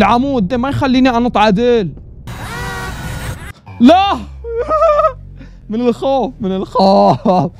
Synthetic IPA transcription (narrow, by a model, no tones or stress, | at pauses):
lʕamuːd̪̚ːeːmajxalːiːniʔanɨt̪ˤʕɑd̪eːl | la | mɪnɪlxoːfmɪnɪlxoː